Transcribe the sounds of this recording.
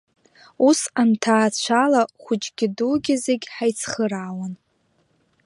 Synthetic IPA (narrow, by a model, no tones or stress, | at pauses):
usantʰaːt͡ɕʷʰalaχʷʊt͡ʃʼɡʲɪduɡʲɪzeɡʲħajt͡sʰχəɾaːwan